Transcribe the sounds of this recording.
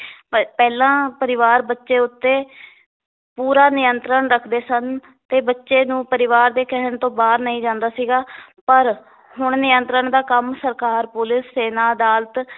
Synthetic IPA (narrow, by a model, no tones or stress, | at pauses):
pɛːlãːpəɾɪʋaːɾbətːʃeːʊt̪ːeː | puːɾaːnɪjənt̪ɾəɳɾəkʰd̪eːsən | t̪eːbətːʃeːnũːpəɾɪʋaːɾd̪eːkɛɦəɳt̪õːbaːɾnəĩːd͡ʒãːnd̪aːsiːɡaː | pəɾ | hʊɳnɪjənt̪ɾəɳd̪aːkəmsəɾkaːɾpʊlɪsːeːnãːəd̪aːlt̪